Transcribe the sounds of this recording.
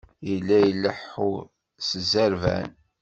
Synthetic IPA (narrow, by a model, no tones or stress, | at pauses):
jəlːæjəlːəħʊ | səzæɾvæ̰n